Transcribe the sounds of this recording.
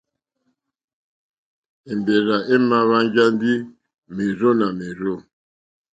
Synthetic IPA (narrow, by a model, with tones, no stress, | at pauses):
e˨mbe˨ɾa˨ʔe˦ma˦βa˦ŋ˦d͡ʒa˦n˦di˦ | me˨zo˦na˨me˨ɾo˦˨